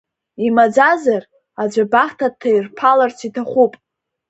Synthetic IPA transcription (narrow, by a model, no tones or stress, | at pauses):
imad͡zazar | ad͡ʒʷabaχtʰatʰːairpʰalart͡sʷʰitʰaχʷupʼ